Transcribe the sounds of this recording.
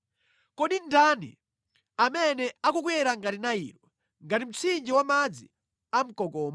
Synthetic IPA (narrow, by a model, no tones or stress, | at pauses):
kɔɗindanḭ | amɛnɛakuk̬wɛɾaŋɡatinaḭɾwɔ | ŋɡatim̩t͡sʰind͡ʒiwamad͡zi | am̩kɔkɔːma